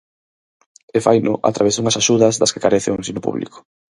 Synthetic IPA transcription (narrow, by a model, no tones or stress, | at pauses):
efajnʊ̰ʔa̰t̪ɾaβezd̪uŋɐsaʃuðɐzðɐskekaɾeθeoensiɲʊpṵβlḭkʊ̥